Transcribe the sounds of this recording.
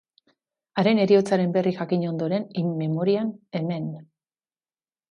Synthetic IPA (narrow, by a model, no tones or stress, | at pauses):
aɾe̞ne̞ɾio̞t͡saɾe̞mbe̞rixakiɲo̞nd̪o̞ɾe̞nime̞mo̞ɾiane̞me̞n